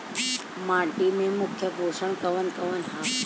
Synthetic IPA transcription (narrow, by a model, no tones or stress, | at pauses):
mãːʈimẽmʊkʰːjəboːsəɳkəʋənkəʋənɦa